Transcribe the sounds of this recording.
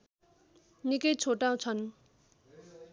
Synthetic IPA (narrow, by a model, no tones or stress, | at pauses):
nikʌjt͡sʰoʈaw̃t͡sʰʌn